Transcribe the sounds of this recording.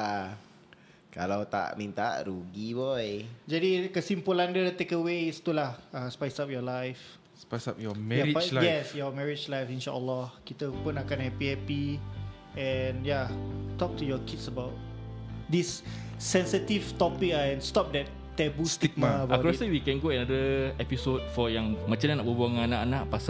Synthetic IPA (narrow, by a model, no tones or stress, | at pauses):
a | ka̰lawt̪a̰ʔmint̪a̰ʔɾuɡibɔjd͡ʒadikəsimpulãndət̪ekəwest̪ulahaspajsap̚jɔlajf | spasap̚jɔmɛjaɹipaljɛsjɔmɛɹid͡ʒlajfĩnʃaʔəlɔhkit̪əpʊnakãnɛpiɛpi | ɛnjatɔk̚tujɔkitsəbaʊt̚disː | ɛ̃nsitivtɔpik̚aɛ̃nstɔp̚dɛtːɛbust̪ik̚maəbakɾɔsəwikɛ̃nɡoɛnadəɛpisot̚fɔjaŋmat͡ʃananaʔbəbuaŋanaʔanaʔpas